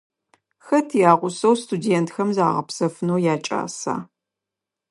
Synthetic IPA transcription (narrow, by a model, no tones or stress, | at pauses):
xɐtʰijaːʁʷʊsɐwstʰudeːntxɐmzaːʁɐ̰psɐfɨnowjaːt͡ʃʼa̰ːsa̰ː